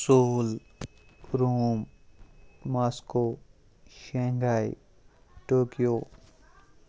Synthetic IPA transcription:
soːl | ɾuːm | masko | ʃeŋɡaj | ʈoːkijo

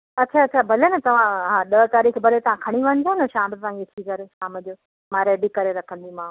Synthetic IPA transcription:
ɐtːt͡ɕʰaɐtːt͡ɕʰabʱɐlenɐt̪ɐʋ̤ãɦãɗət̪aːɾiːkʰbʱɐlet̪ɐʋ̤ãkʰɐɽ̃iʋɐ̃ɲ̃ɪd̪onɐʃaːmt̪ɐʋãːkeʈ̪ʰikɐɾeʃaːməd͡ʑoː | mãɾeːɖikɐɾeɾɐkʰə̃n̆d̪imãː

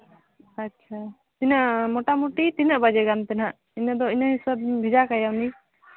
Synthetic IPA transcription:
atːt͡ʃʰa | t̪inəʔmɔʈamuʈit̪inəʔbad͡ʒɛɡant̪ɛnaʔ | inəd̪ɔinəɦisəb̚bʱid͡ʒakajawni

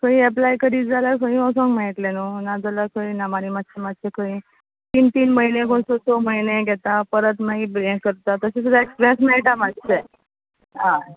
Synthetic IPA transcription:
kʰəĩɛp̬lajkəɾiːd͡zalaɾkʰəĩɔsɔ̃ŋɡmaiʈ̪lenunad͡zalakʰəĩnamaɾiːmat̪ːɕʰemat̪t͡ɕekʰəĩ | t̪iːnt̪iːnməinẽkoɳsot̪oməjneɡɛt̪apəɾət̪naibɾẽkkəɾt̪at̪əsẽsud̪aeksbɛ̃smɛiʈamadse | ɦã

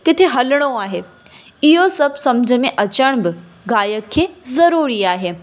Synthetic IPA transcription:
kɪt̪ʰeɦɐlɽ̃oaːɦeː | ɪɦosɐbsɐmd͡ʑʱəmẽʔɐt͡ɕəɽ̃bɪ | ɡaːjəkʰːeːzɐɾuːɾiaːɦeː

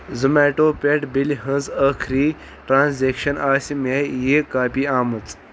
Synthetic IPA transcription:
zɨmeːʈoːpʲeʈbilɦə̃nzɐːkʰɾiː | ʈɾaːnzeːkʃɐnaːsʲimejekaːpiːaːmɨt͡s

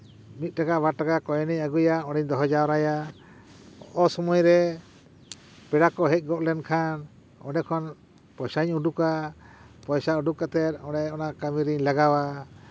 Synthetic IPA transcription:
mit̪̚ʈakaʔbaʈakakɔjɛniɲaɡujaɔɽɛɲd̪ɔɦɔd͡ʒawɾaja | ɔʔɔsɔmɔjɾɛ | pɛɽakɔɦɛc̚ˀɡɔʔlɛnkʰan | ɔnɛkʰɔn | pɔjsaɲuɖuka | pɔjsauɖukat̪ɛɾ̚ɔɽɛɔnaʔkamiɾiɲlaɡawa

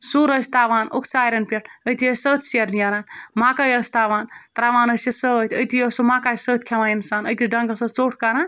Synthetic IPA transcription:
suɾəsʲt̪aːʋaːnokʰt͡ʃaːjɾɐnpʲeʈʰəjt̪ʰijəssəːt̪ʰʲsiɐɾnijɐɾaːnmaːkajəsʲt̪aːʋaːnt̪ɾaːʋaːnəsesət̪ʰʲəjt̪ijəsomaːkaːsəːt̪ʰʲkʰeʋaːninsaːnəjt̪iɖɐŋɡɐsət̪t͡soːʈʰkaɾaːn

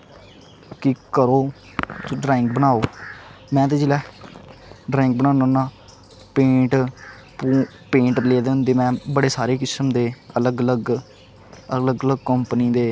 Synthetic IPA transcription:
kɪkəɾoː | soɖɾɛ̃ːɪŋk̚bənaːoːmɛ̃ːt̪eːd͡ʒɪlɛː | ɖɾɛ̃ːŋk̚bənaːnõːnãː | pẽːʈ | pu | pẽːɳʈɾleːad̪eːɦʊnd̪eːmɛ̃ːbəɽeːsaːɾeːkɪsəmd̪eːələɡələɡ | ələɡələɡkəmpəniːd̪eː

